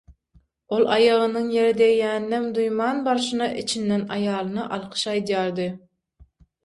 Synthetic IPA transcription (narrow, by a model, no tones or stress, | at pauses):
olˠɑjɑʁənɨŋjeɾɪd̪ɛjɛnd̪ɛmd̪ujmɑːnbɑɾʃɨnɑʔit͡ʃʰinːɛnɑjɑːlˠɨnɑʔɑlˠqʰə̥ʃɑjd̪ijɑɾd̪ɨ